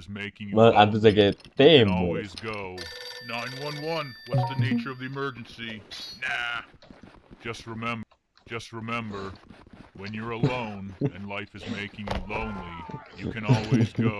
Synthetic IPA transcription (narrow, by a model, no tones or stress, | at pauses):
zmeɪkɪ̃ŋwɛʔadʌzeɡɛtdẽmɔwizɡoʊnãɪ̃nwʌ̃nwʌ̃nwʌtsðɨneɪt͡ʃə˞ʌvðiɨmɜ˞d͡ʒɨ̃nsinæ | ʒ̥ʌst̚ɹɨmɛ̃mb | d͡ʒ̥ʌst̚ɹɨmɛ̃mbə˞wɨ̃njə˞əlõʊ̃nɨ̃nlaɪfɨzmeɪkɪ̃ŋjɨlõʊ̃nlijɨkʰɨ̃nɔlˠwizɡoʊ